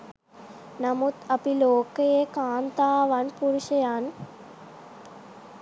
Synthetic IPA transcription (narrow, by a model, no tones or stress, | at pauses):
nɐmut̪ɐpiloːkɐjekaːnt̪aːʋanpuɾuʃɐjaːn